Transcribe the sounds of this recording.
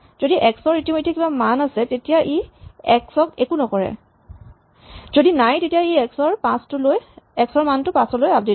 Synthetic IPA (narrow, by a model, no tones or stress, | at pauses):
z̥odiʔɛksɔɹitimojtʰːɛkibamanasɛtetijaʔeɛksɔkekunɔkɔɹɛ̰ | z̥odinajtetijaeɛksɔɹpãstʊlojɛksɔɹmantʊpãsɔlojap̚det